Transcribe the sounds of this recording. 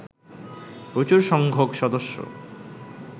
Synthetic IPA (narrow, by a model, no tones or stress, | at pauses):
pɾot͡ɕuɾʃɔŋɡʱokʃɔd̪oʃːo̰